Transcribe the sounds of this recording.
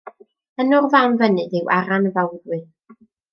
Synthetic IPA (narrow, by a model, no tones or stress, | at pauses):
ənʊrvawnvənɨdɪwʔaɾanəvawdwɨ